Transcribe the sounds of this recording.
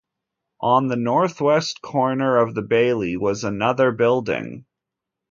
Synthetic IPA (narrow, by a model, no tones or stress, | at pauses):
ʔə̃nðɨnɔɹθwɛskʰɔɹnə˞ʌvðɨbeɪlˠiwʌzənʌðə˞bɪlˠdɪ̰̃ŋ